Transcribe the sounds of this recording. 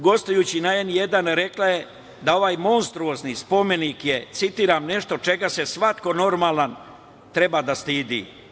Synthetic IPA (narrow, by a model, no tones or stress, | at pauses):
ɡo̞st̪ojuːt͡ɕinaenje̞d̪anɾe̞klaje | d̪ao̞ʋaːjmo̞nst̪ɾuoznispo̞me̞nikje̞t̪sit̪iːɾamne̞ʃt̪o̞t͡ʃe̞ɡase̞sʋat̪ko̞no̞ɾmaːlˠan | t̪ɾe̞bad̪ast̪iːd̪ḭ